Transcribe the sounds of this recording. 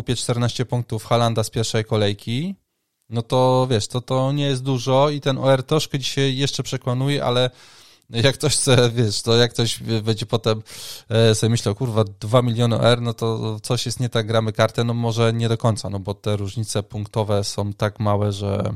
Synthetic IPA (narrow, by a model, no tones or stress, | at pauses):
kupʲjɛt͡ʂt̪ɛɾnaɕt͡ɕɛpuŋk̚t̪ufxaland̪aspʲjɛɾfʂɛjkɔlɛjkʲi | nɔt̪ɔvjɛʂt̪ɔt̪ɔɲɛjɛst̪d̪uʐɔit̪ɛnʔɔɛɾt̪ɾɔʂkɛd͡ʑiɕajːɛʂt͡ʂɛpʂɛkwanujɛʔa̰lɛ | jakːt̪ɔɕxt̪sɛvʲjɛʂnɔjakːt̪ɔʑbɛd͡ʑɛpɔt̪ɛmsɔbʲjɛmɘɕlawkuɾvad̪vamʲilʲjɔnɨʔɔ̰ɛɾnɔt̪ɔt̪sɔɕjɛst̪ɲɛt̪aɡ̚ɡːɾamɘkaɾt̪ɛnɔmɔʐɛɲɛd̪ɔkɔɲt̪sanɔbɔt̪ɛɾuʐɲit̪sɛpuŋkt̪ɔvɛsɔ̃w̃t̪akmawɛʐɛ̰